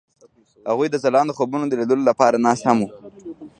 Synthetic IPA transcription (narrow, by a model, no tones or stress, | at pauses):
haɣujd̪əzalɑnd̪əxobunod̪əled̪əlolapɑɾanɑshamu